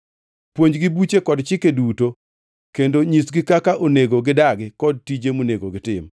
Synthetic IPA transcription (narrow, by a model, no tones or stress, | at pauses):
pwoɲd͡ʒɡibut͡ʃekɔdt͡ʃɪkeduto | kendoɲisɡɪkakaʔoneɡoɡɪdaɡɪkɔd̚tid͡ʒemoneɡoɡɪtɪm